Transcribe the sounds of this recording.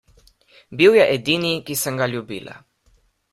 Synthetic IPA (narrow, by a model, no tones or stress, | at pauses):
biwjɛʔed̪inikisəŋɡaʎjubila̰